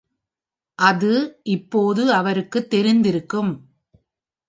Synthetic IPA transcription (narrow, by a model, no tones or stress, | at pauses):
ʔɐðɯʔɪpːoːðɯɐʋɐɾɯkːɯt̪ːɛɾɪnd̪ɪɾɯkːɯm